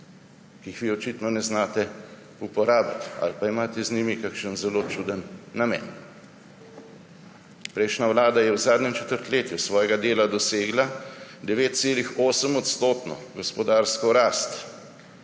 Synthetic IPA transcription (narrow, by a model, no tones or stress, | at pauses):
kiixʋiɔt͡ʃit̪nɔnɛznaːt̪ɛ | upɔɾaːbat̪a̰lpaimaːt̪ɛznimikakʃənzɛloːt͡ʃuːd̪ənːamɛ̰ːn | pɾɛjʃnaʋlaːd̪ajɛwzaːd̪nʲɛmt͡ʃɛt̪əɾt̪leːt̪jusʋɔːjɛɡad̪eːlad̪ɔseːɡlad̪ɛʋeːt̪̚t̪seːlixoːsəmɔt̪st̪oːt̪nɔ̰ɡɔspɔd̪aːɾskɔɾaːst̪